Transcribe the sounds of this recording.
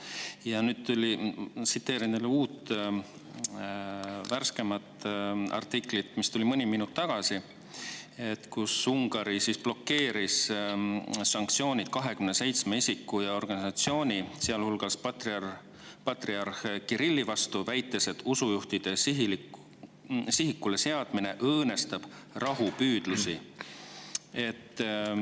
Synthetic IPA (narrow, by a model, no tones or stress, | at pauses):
jɑnyːd̪̥̚t̪ulʲisit̪ːe̞ːɾineluːt̪ | værske̞mɑt̪ɑ̰rt̪ːˑiklit̪mist̪ulimɤnʲiminut̪ːɑɡ̥ɑsi | et̪kusuŋɡ̥ɑɾisisb̥lo̞kːe̞ːɾisː | ɑŋk̚t̪sio̞ːnʲid̪̥kɑɦe̞kymnese̞jt̪smeisikːujɑo̞rɡ̥ɑnisɑt̪sio̞ːnʲisiɑlhulɡ̥ɑspɑt̪ | pɑt̪riɑrxekiɾilːivɑst̪uvæjt̪ːˑe̞se̞t̪usujuht̪id̪̥e̞s | siɦikːule̞seɑd̪̥mine̞ʔɤːne̞st̪ɑb̥rɑɦupyːd̪̥lusi | e̞t̪ː